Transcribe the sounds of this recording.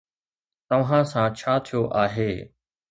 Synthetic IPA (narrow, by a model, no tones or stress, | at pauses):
t̪ɐʋ̤ãːsãːt͡ʃʰaːt̪ʰijoːʔaːɦeː